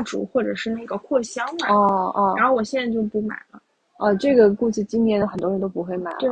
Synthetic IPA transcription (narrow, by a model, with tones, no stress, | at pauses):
ʈ͡ʂṵ˨˩xwɔ˥˩ʈ͡ʂɤ˨˩ʂɻ̩˥˧na˥˩ɡə˩kʰwɔ˥˩ɕjɑ˥ŋ˨ɔ˥˩ʔɔ˥˧a˧˥xo˥˩ʊwɔ˨˩ɕjɛ˥˧na˥˧t͡ɕjo˥˧ʊpu˥˩ma̰˨˩ɪlə˦ | ə˧ʈ͡ʂɤ˥˩ɡə˩ku˥˧ʂ̩˥˩t͡ɕi˥ŋnjɛ˧˥nd̪ə˧xə˨˩nt̪wɔ˥˧˥nt̪o˥ʊpu˧˥xwe˥˩ɪma˨˩˦le˥˩